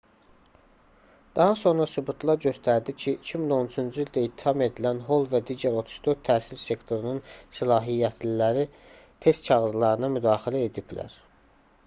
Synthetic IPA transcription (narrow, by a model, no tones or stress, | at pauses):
d̪̥ɑɦɑso̞nɾɑsubut̪ʰlˠɑɾɟø̞st̪ʰæɾd̪icʰiːcʰimino̞nut͡ʃʰynd͡ʒyild̪æit̪ʰːi̥hɑme̞d̪ilænɦo̞lˠvæd̪iːɟæɾo̞t̪ʰu̥ʃd̪øɾt̪ʰːæːsilse̞kt̪ʰo̞ɾunɯnsilɑːɦijːæt̪ʰlilæɾi | t̪ʰe̞st̪̚t͡ʃʰɑɣɯzlˠɑɾɯnɑmyd̪ɑːxilæe̞d̪iblæ̰ɾ